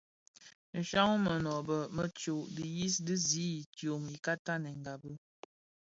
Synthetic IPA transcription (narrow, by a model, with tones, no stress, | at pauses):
n̩˨ʃa˦ŋ˦mə˨nɔ˨bə˨mə˦t͡ʃo˨ʔdi˨ji˦sdɨ˦zi˦i˨tjo˨mi˨ka˦ta˦nɛ˨ŋ˨ɡa˨bɨ˦